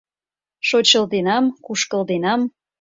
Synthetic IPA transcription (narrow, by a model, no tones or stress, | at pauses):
ʃot͡ɕəld̪enɑmkuʃkə̆ld̪enɑm